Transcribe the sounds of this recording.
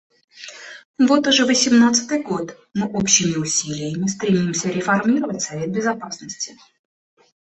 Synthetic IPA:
vo̞t̪ʊʐɛvəsʲɪmnat̪sɨ̥t̪ɨjɡo̞t̪ | mɨʔopɕɪmʲɪʊsʲilʲɪjɪmʲɪst̪ɾʲɪmʲimsʲəɾʲɪfɐrmʲiɾəvətʲsɐvʲe̞t̪̚bʲɪzɐpasnəsʲtʲɪ

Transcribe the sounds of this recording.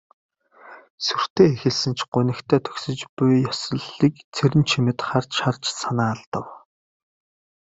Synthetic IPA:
sur̥t̪ʰeːexɘ̆ɮsɘ̆nt͡ɕʰɢʊnɘ̆kt̪ʰæːt̪ʰɵ̥ksɵ̆t͡ɕpʊjːɔsɞ̆ɮːiːkt͡sʰeɾɘ̆nt͡ɕʰimɘ̆t̪χart͡ɕʃart͡ɕsanaːɮt̪ə̆w

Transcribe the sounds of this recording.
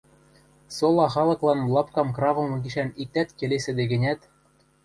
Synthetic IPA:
solˠɑxɑlˠɤ̆klˠɑnlˠɑpkɑmkrɑvɤ̆mɤ̆ɡiʃænik̚t̪æt̪kelesɘ̆d̪eɡɘ̆nʲæt̪

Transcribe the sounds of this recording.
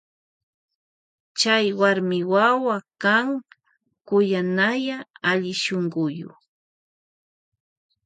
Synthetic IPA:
t͡ʃajwaɾmɪwawakaŋ | kʊjanajaaʎɪʃoɴɢʊjʊ̰

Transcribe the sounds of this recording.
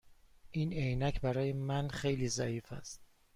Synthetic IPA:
ʔiːnejnæcʰbæɾɒːjemænxe̞jliːzæiːfæ̰st̪̚

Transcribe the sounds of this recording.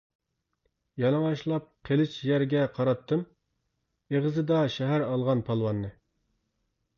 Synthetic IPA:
jɑlˠɨŋɑʃlˠɑp̚qʰelɪt͡ʃʰjæɾɡʲɛqʰɑɾɑt̪ʰːɨm | eʁəzɨd̪ɑʃɛɦæɾɑlˠʁɑnpʰɑlˠwɑnːɨ

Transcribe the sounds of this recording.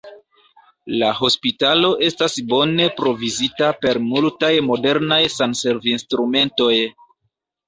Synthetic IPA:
laɦo̞spitalo̞ʔe̞stasbo̞ne̞pɾo̞vizitape̞ɾmultajmo̞de̞ɾnajsanse̞ɾvinstɾume̞nto̞j

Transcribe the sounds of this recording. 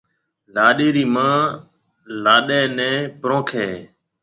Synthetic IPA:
laːɗeːɾiːmãː | laːɗɛːnɛ̃ːpɾõːkʰeː

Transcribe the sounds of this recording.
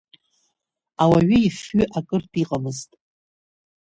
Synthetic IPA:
awaɥʏifɥʏʔakʼɨrtʰʼiqʼamɨztʼ

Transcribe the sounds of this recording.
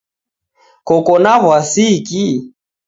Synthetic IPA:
kɔkɔnaβwasiki

